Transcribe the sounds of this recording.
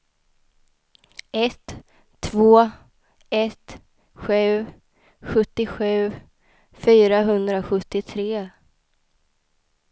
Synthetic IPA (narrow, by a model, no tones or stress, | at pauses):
ɛt̪ʰː | voː | ɛt̪ | ɧʉ̟ː | ɧɵt̪ːɪɧʉ̟ː | fyːɾaɦɵnd̪ɾaɧɵt̪ːɪt̪ʰɾeː